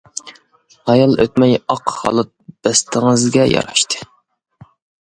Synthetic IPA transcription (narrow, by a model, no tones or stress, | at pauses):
hɑjɑlˠʔøt̪mɛjɑqhɑ̰lˠɨt̪̚b̥ɛst̪ʰɪŋɨzɡʲɛjɑ̰ɾɑʃt̪ʰɨ̥